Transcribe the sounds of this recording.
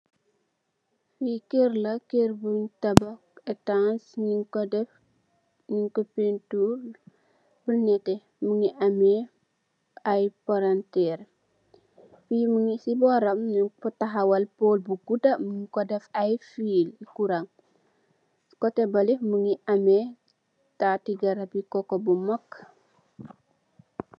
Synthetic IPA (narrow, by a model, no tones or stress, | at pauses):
fikeɾlɐkerbuɲtɐbɐ | ɛtãnsɲiŋkɔdɛf | ɲiŋkɔpentul | bənɛtɛ | məŋiʔɐmɛ | ɐjpaɾantɛːɾ | fiːmuŋisibɔɾɐmnifɔtaɦawɐlpoːlbuɡudɐmŋkɔdɛfajfiːlikuɾaŋ | kɔtɛbɐlimuŋiʔɐmɛ | tatiɡɐɾɐbikɔkɔbumɔkː